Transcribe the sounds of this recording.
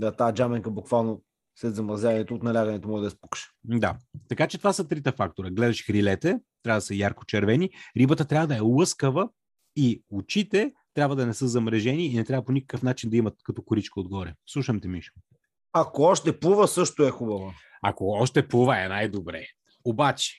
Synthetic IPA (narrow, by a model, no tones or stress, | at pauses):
d̪at̪aɛd͡ʒamɛŋkəbʊkvalˠno | slɛt̪zɐmɾɐzʲavɐnɛt̪oːt̪nɐlʲaɡɐnɛt̪omɔʒɛd̪ɐɛspu̥kʃɛ̥d̪at̪ɐkat͡ʃɛt̪ovasət̪ɾit̪əfak̚t̪oɾɐɡlɛd̪ɐʃxɾilɛt̪ɛt̪ɾavəd̪ɐsəjaɾko̥t͡ʃɛɾvɛniɾibət̪ət̪ɾʲavəd̪ɐɛlˠɤskəvə | iʊt͡ʃit̪ɛt̪ɾʲabvəd̪ɐnɛsəzɐmɾɛʒɛniːnɛt̪ɾʲavəponikə̥kəfnat͡ʃind̪ɐimɐt̪̚kɐt̪ɔkʊɾit͡ʃkəod̪̚ɡɔɾɛslˠuʃɐmt̪ɛmiʃ | akoɔʃt̪ɛpuvəsɤʃt̪oɛxubəvə | a̰koɔʃt̪ɛpuvəɛnajd̪obɾɛ̰ | obat͡ʃɛ̥